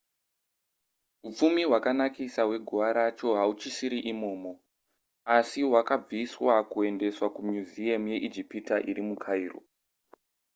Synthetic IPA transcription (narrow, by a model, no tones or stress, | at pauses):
ɦup͡fumiɦwakanakisawe̞ɡʱuʋaɾat͡ʃo̞ɦaut͡ʃisiɾiʔimo̞ːmo̞ | asiɦwakab͡viswakue̞nde̞swakumjuziamje̞ʔid͡ʒipitaʔiɾimukʰaiːro̰